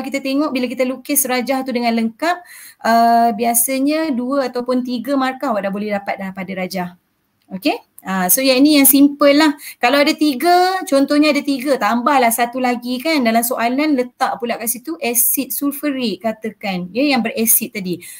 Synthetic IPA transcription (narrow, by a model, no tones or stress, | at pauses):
kit̪at̪eŋɔʔbilak̬it̪alukɪsɾad͡ʒaht̪udəŋãnləŋkap̚əbiasaɲəduəat̪awpʊnt̪iɡəmarkahwaʔdaʔbolɛhdapat̪̚dapadaɾad͡ʒah | oke | asojainijaŋsimpəlːahkalawadat̪iɡət͡ʃɔnt̪ɔhɲəadat̪iɡət̪ambahlahsat̪ulaɡikandalamsoʔalanlət̪aʔpulaʔkaʔsit̪uʔɛsɪt̪̚sulfəɾiʔkat̪əkanjəjaŋbərɛsɪt̪̚ːadi